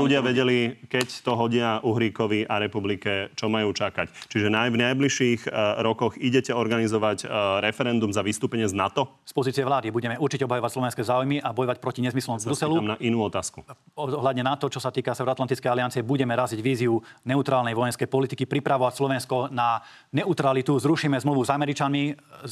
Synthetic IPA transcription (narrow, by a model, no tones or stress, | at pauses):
luɟɪaʋɛɟɛlikɛct̪ɔɦɔɟɪaʔuɦɾiːkɔʋiʔaɾɛpublikɛt͡ʃɔmajuːt͡ʃakact͡ʃiʒɛnajvnajbliʃiɣɾɔkɔɣiɟɛcɛɔɾɡanizɔʋacɾɛfɛɾɛnd̪umzaʋist̪uːpɛɲɪɛznat̪ɔ | spɔziːt͡siɛʋlaːd̪ibuɟɛmɛuɾt͡ʃicɛɔbɦajɔʋacslɔʋɛnskɛzaːujmiʔabɔjɔʋac̚pɾɔciɲɛzmislɔ̃mvbɾusɛlumnaʔinuːɔt̪aːsku | ɔɦlad̪ɲɛnat̪ɔt͡ʃɔsat̪iːkasɛʊɾɔat̪lant̪it͡skɛjaliant͡siɛbuɟɛmɛɾaziɟʋiːziunɛut̪ɾaːlnɛjʋɔjɛnskɛjpɔlit̪ikipɾipɾaʋɔʋacslɔʋɛnskɔna | nɛut̪ɾalit̪uzɾuʃiːmɛzmluʋuzamɛɾit͡ʃanmi